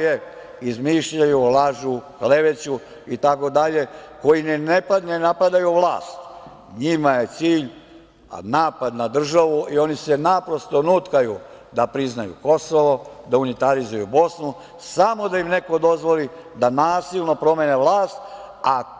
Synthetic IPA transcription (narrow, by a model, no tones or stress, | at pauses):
je | izmiːʃʎajulaʒukle̞ʋet͡ɕu | it̪ako̞d̪aʎe̞ko̞jinenepanenapad̪ajuʋlˠa̰ːst̪ | ɲimaje̞t̪siːʎ | naːpad̪nad̪r̩ʒaʋuʔio̞nise̞napɾo̞st̪onut̪kaju | d̪apɾiznajṵko̞soʋo̞d̪aunit̪aɾizujubo̞snu | samo̞d̪ajimne̞ko̞d̪o̞zʋo̞lid̪anaːsilˠno̞pɾo̞meneʋlˠaːst̪ | a